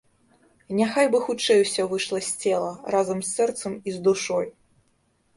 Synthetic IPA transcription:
nʲaxajbɨxut͡ʂɛjwsʲɔvɨʂlˠɐsʲt͡sʲɛlˠɐrazɐmsʲːɛrt̪sɐmizd̪uʂɔj

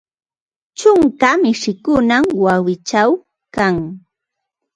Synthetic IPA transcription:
t͡ʃʊŋkamɪʃɪkʊnamwawɪt͡ʃaw | kaŋ

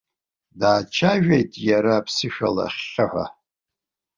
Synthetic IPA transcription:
daːt͡ʃʰaʒᶣejtʼjaɾaːpʰsɨʃᶣala̰χʲəħʷa̰

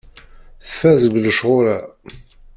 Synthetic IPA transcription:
θfæzəɡləʃʁʊɾæ

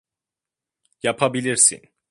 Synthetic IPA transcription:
japʰabiliɾsḭn

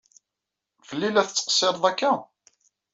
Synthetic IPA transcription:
vəlːilæθət͡sːə̥qsˤːeɾðˤækːæ

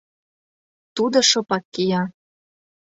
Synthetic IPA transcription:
t̪ud̪ɤ̆ʃopɑkːijɑ

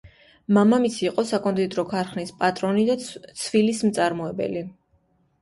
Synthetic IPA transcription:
mamamit̪sʰiːqʼɔsakʼɔnd̪ʼid̪ɾɔkʰaɾχnispʼat̪ʼɾɔnid̪at̪sʰvilismt̪sʼaɾmɔɛbɛ̰li

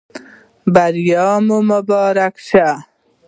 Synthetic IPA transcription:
baɾjɑːmoməbɑːɾakʃa

